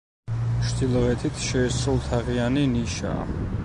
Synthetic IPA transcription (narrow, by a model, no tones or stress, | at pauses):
t͡ʃʰd̪ilˠɔɛt̪ʰit̪ʰʃɛːsɾulˠt̪ʰaʁianiniʃa̰